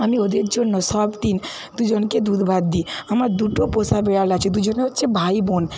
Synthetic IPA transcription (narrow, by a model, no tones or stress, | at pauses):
əmiod̪ek̚d͡ʒonːɔsɔbt̪in | d̪ud͡ʒɔnked̪ud̪bʱad̪̚d̪iəmad̪uʈoposabeɽalat͡ʃʰid̪ud͡ʒɔnt͡ʃʰebʱaibon